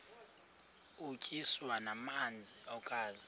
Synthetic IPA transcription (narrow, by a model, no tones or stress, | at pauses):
ut͡ʃʼiswanamand͡zʱiɔkʼaːzi